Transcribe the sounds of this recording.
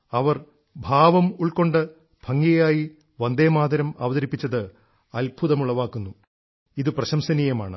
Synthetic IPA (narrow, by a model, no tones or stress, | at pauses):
ɐʋɐr | bʱaːʋɐmuɭko̞ɳɖɨ | b̥ʱɐŋːɐjaːji | ʋɐnd̪eːmaːd̪ɐɾɐmɐ̰ʋɐðɐɾipːit͡ɕːɐðɨ | ɐlbʱuðɐmuɭːɐʋaːkːunːu | iðɨprɐɕɐmsɐniːjɐma̰ːɳɨ